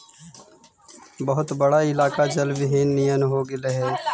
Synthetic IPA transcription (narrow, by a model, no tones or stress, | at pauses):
bəɦʊt̪bəɽaɪlaːkad͡ʒəlbɪɦiːnːijənɦoːɡɪleɦɛː